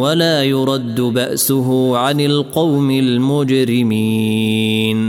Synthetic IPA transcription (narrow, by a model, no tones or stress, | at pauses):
walaːjʊɾˤɑd̪ːʊbaʔsʊɦʊʕanɪlqɑwmɪlmʊd͡ʒɾɪmiːn